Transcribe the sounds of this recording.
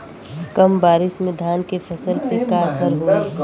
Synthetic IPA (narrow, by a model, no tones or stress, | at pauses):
kəmbaːɾɪsmẽd̪ʱaːnkepʰɐsəlpekasəɾɦoe